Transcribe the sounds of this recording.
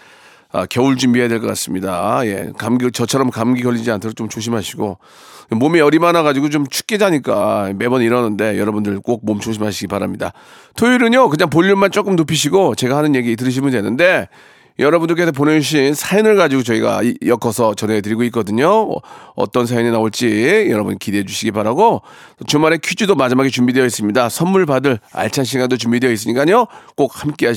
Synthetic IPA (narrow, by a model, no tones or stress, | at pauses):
a̰kjʌuɭt͡ɕumbiɦeadweɭk͈ʌk͈as͈ɯmɲidaje̞̰kamɡt͡ɕʌt͡ɕʰʌɾʌmkamɡiɡʌʎːid͡ʑiantʰɯɾot͡ɕomt͡ɕoɕ̬ʰimaɕʰiɡo | momiʌɾimanaɡad͡ʑiɡot͡ɕomt͡ɕʰu̥k̚k͈id͡ʑaɲik͈a̰me̞bʌniɾʌnɯnde̞jʌɾʌbundɯɭk͈ok̚momt͡ɕoɕʰimɦaɕʰiɡipaɾamɲida̰ | tʰoiɾɯnjokɯɲaŋpoʎːumant͡ɕ͈ok͈ɯmnopʰiɕʰiɡot͡ɕe̞ɡahanɯnje̞ɡiːt̬ɯɾɯɕ̬ʰimundwe̞nɯnde̞ | jʌɾʌbundɯɭk̬͈e̞s̬ʰʌp̬one̞d͡ʑuɕ̬ʰinsʰajinɯɭɡad͡ʑiɡot͡ɕʌiɡa̰jʌkʰʌsʰʌt͡ɕʌne̞tɯɾiɡoik͈̚ʌdɯɲoʌ̰t͈ʌnsʰajininaoɭt͡ɕ͈ijʌɾʌbṵnkideed͡ʑuɕʰiɡipaɾaɡo | t͡ɕɯmaɾekʰjud͡ʑudomad͡ʑimɦaɡet͡ɕumbidejʌis͈ɯmɲidasʰʌnmuɭpadɯɭa̰ɭt͡ɕʰanɕ̬ʰiɡandot͡ɕumbidejʌis̬͈ɯɲik͈aɲok͈ok̚hamk͈e̞ɦa